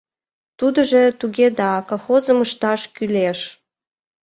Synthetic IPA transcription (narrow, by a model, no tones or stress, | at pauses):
t̪ud̪əʒet̪uɣed̪ɑkoxozəməʃt̪ɑʃkyleʃ